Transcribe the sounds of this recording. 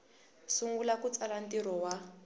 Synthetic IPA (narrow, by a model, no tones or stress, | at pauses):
suŋɡulakut͡salantiɾɔwa